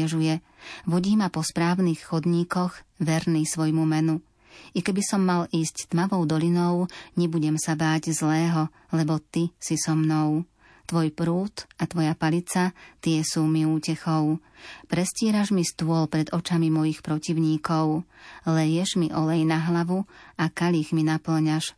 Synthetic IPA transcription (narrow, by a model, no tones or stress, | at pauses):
ɛʒujɛ | ʋɔɟiːmapɔspɾaːʊnixxɔd̪ɲiːkɔɣʋɛɾniːsʋɔjmumɛnu | ikɛbisɔmːaliːsct̪maʋɔʊd̪ɔlinɔʊɲɛbuɟɛmsabaːɟzlɛːɦɔ | lɛbɔt̪isisɔmnɔʊ | t̪ʋɔjpɾuːt̪at̪ʋɔjapalit͡sat̪ɪɛsuːmiuːcɛxɔʊpɾɛscɪiɛːɾaʒmist̪uɔlpɾɛd̪ɔt͡ʃamimɔjixpɾɔciʊɲiːkɔʊlɛjɛʒmiʔɔlɛjnaɦlaʋuakaʎixminapl̩ɲaʃ